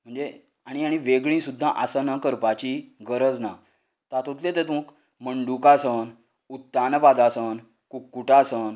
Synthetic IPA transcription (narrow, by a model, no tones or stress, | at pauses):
m̤əɳd͡ze | aɽ̃iaɽ̃iʋeɡɭĩsud̪ʱːãʔasənakəɾpat͡ɕiɡəɾəd͡zna | t̪at̪ot̪let̪et̪ũːk | məɳɖukasən | ut̪ːanəbad̪asən | kukːuʈasən